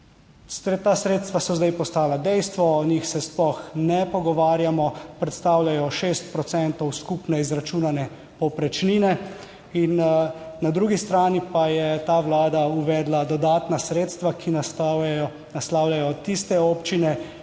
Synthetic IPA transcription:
st̪t̪aːsɾeːt̪st̪ʋasɔzd̪ajpɔst̪aːlad̪ɛjst̪ʋɔːniːxsɛsplɔxnɛpɔɡɔʋaːɾjamɔpɾɛt̪st̪aːwljajɔʃeːst̪̚pɾɔt̪sɛnt̪ɔwskupnɛizɾat͡ʃuːnanɛ | pɔpɾɛt͡ʃniːnɛ | innad̪ɾuːɡist̪ɾaːnipajɛt̪aːʋlaːd̪auʋɛːd̪lad̪ɔd̪aːt̪nasɾeːt̪st̪ʋakʰin | naslaːwlʲajɔt̪ist̪ɛoːpt͡ʃinɛ

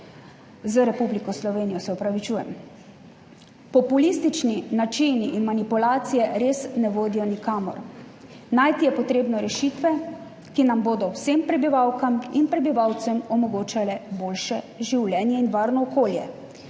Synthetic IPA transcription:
zəɾɛpublikɔslɔʋeːnijɔsɛɔpɾaʋit͡ʃuːjɛm | pɔpulist̪it͡ʃninat͡ʃiniʔːnmanipulaːt̪sijɛɾeːsnɛʋoːd̪ijɔnikaːmɔ̰ɾ | najt̪ijɛpɔt̪ɾeːbnɔɾɛʃiːt̪ʋɛ | kinamboːd̪ɔwseːmpɾɛbiʋawkaminpɾɛbiʋawt̪sɛmɔmɔɡoːt͡ʃalɛboːlʃɛ | ʒiwlɛːnjɛinʋaːɾnɔːkoːljɛ̰

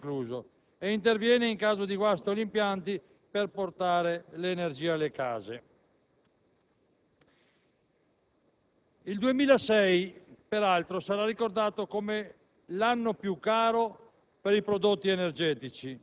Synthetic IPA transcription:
kluːzo | eint̪ervjɛːneiŋkaːzod̪iɡwast̪olimpjant̪i | perport̪aːɾeleːnerd͡ʒiːaalːeka̰ːze | ild̪uemiːlasɛjpeɾalt̪ɾosaɾarːikord̪aːt̪okome | lanːopjukːaːɾo | peɾipɾod̪ot̪ːienerd͡ʒɛːt̪it͡ʃi

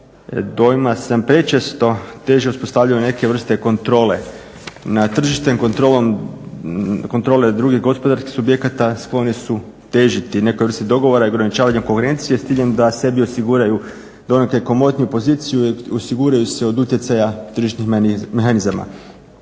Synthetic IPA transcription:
d̪o̞jimasampɾe̞t͡ʃest̪o̞t̪e̞ʒeuspo̞st̪aʋvʎajone̞ke̞ʋr̩st̪e̞ko̞nt̪ɾo̞ːle̞ | nat̪r̩ʒiʃt̪emkont̪ɾolom | ko̞nt̪ɾo̞ːle̞d̪ɾuɡiɦɡo̞spo̞d̪aɾskixsubje̞kat̪asklˠo̞nisu | t̪e̞ʒit̪ine̞kojʋr̩st̪eid̪o̞ɡo̞ʋo̞ɾaioɡɾanit͡ʃaːʋaɲemkoŋxeɾe̞nt̪sijest̪iʎend̪ase̞biosiɡuːɾaju | d̪o̞nekeko̞mo̞t̪nijupo̞ziːt̪sijuosiɡuːɾajuseo̞d̪ut̪je̞t̪sajat̪r̩ʒiʃt̪nixmexanizama̰

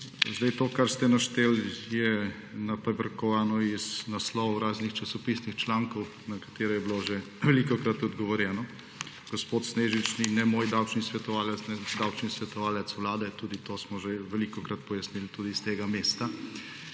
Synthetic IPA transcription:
zd̪ɛjt̪oːkaɾst̪ɛnaʃt̪eːljɛ | nɐpɾɛbɾɐkɔʋaːnɔiznaslɔʋwɾaːznixt͡ʃasɔpisnixt͡ʃlaŋkɔw | nɐkḁt̪eːɾɔjɛbiloʒe | ʋɛlikɔkɾat̪ɔd̪ɡɔʋɔɾjɛːnɔ | ɡ̥ɔspoːt̪sneːʒit͡ʃninɛmoːjd̪awt͡ʃnisʋɛt̪ɔʋaːlɛt̪snɛd̪awt͡ʃnisʋɛt̪ɔʋaːlɛt̪swlaːd̪ɛt̪uːd̪it̪oːsmɔʒeʋɛlikɔkɾat̪pɔjasnilt̪uːd̪iːst̪eːɡameːst̪a

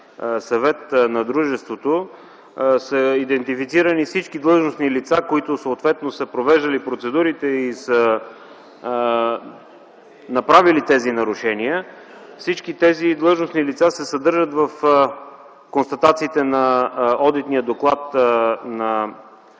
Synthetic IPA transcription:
sɐvɛt̪nɐd̪ɾuʒɛst̪vot̪o | səid̪ɛnt̪ifit̪siɾənifsit͡ʃkid̪lˠɤʒnosnilit̪sakoit̪ʊsoːt̪vɛt̪nosəpɾovɛʒd̪ɐlipɾot̪sɛd̪uɾit̪ɛisə | nɐpɾavilit̪ɛzinɐɾʊʃɛniə | fsit͡ʃkit̪ɛzid̪lˠɤʒnosnilit̪sasɛsɐd̪ɤɾʒət̪vɐf | konst̪ɐt̪at̪siːt̪ɛnɐɔd̪it̪nijəd̪oklˠat̪nɐ

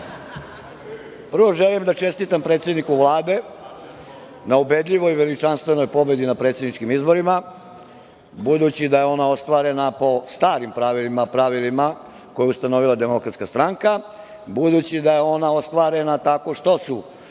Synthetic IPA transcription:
pr̩ʋo̞ʒelimd̪at͡ʃe̞st̪it̪ampɾet̪sje̞d̪nikuʋlˠaːd̪e̞ | naube̞d̪ʎʲiʋo̞jʋelit͡ʃanst̪ʋe̞no̞jpo̞be̞d̪inapɾet̪sed̪nit͡ʃkimizbo̞ɾima | bud̪ut͡ɕid̪ajeo̞nao̞st̪ʋaɾe̞napo̞st̪aːɾimpɾaʋilimapɾaʋilima | kojeust̪ano̞ʋilˠad̪e̞mo̞kɾat̪skast̪ɾaŋka | bud̪ut͡ɕid̪ajeo̞nao̞st̪ʋaːɾenat̪ako̞ʂt̪o̞su

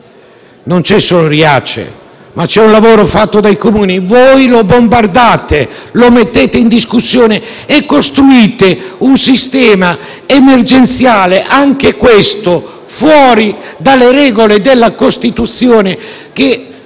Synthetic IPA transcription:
nont͡ʃɛsːoːloɾiat͡ʃḛ | mat͡ʃɛunlavoːɾofat̪ːod̪ajkomuːnivojlobombard̪aːt̪elomet̪ːeːt̪eind̪iskusːjoːneː | kːost̪ɾuiːt̪eunsist̪ɛːma | emerd͡ʒent̪sjaːleʔaŋk̟ekwest̪o | fwɔːɾid̪alːeɾɛːɡoled̪elːakost̪it̪ut̪sːjoːne | k̟e

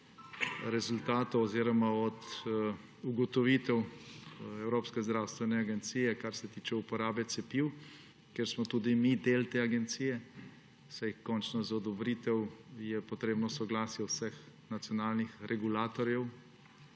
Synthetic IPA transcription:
ɾɛzult̪aːt̪ɔɔziːɾɔmaɔt̪ | uɡɔt̪ɔʋit̪ɛw | ɛwɾoːpskɛzd̪ɾawst̪ʋɛnɛaɡɛnt̪siːjɛkaɾsɛt̪iːt͡ʃɛupɔɾaːbɛt̪sɛpiw | kɛɾsmɔt̪uːd̪imid̪eːlt̪eːaɡɛnt̪siːjɛ | sajkɔnt͡ʃnɔzaɔd̪ɔbɾit̪ɛwjɛpɔt̪ɾeːbnɔsɔɡlaːsjɛwsɛxnat̪sʲjɔnaːlnixɾʔɛɡulaːt̪ɔɾjɛw

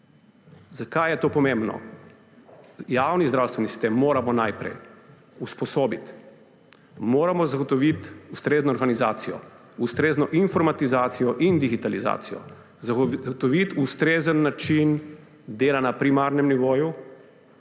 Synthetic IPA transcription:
zakajɛt̪oːpɔmẽmbnɔ̰ | jaːwnizd̪ɾawst̪ʋɛnisi̥st̪emːoːɾamɔnajpɾɛ̰j | uspɔsoːbit̪ | moːɾamɔzaɡɔt̪ɔʋit̪ust̪ɾeːznɔːɾɡaniza̰ːt̪sijɔ̰ | ust̪ɾeːznɔʔinfɔɾmat̪izaːt̪sijɔʔind̪iɡit̪aliza̰ːt̪sijɔ̰ | zaɡɔt̪ɔʋit̪ust̪ɾeːzənːat͡ʃin | d̪eːlanapɾimaɾnɛmniʋoːju

